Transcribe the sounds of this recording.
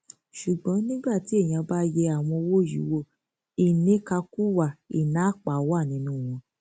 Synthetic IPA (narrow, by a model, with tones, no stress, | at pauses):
ʃu˨ɡ͡bɔ̃˨˦nĩ˦ɡ͡ba˦˨ti˨˦e˦˨j̃ã˧ba˦jɛ˧a˨w̃ɔ̃˧wo˦˨jḭ˨˦wo˦˨ | i˨nĩ˨˦ka˧ku˦wa˨i˨nã˨˦˨k͡pa˨˦wa˦˨nĩ˨˦nũː˦˨w̃ɔ̃˧